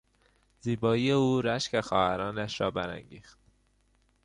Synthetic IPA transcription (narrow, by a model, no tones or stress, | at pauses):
ziːbɒːijeuːɾæʃcexɒːhæɾɒːnæʃɾɒːbæɾæ̰ŋɟiːxt̪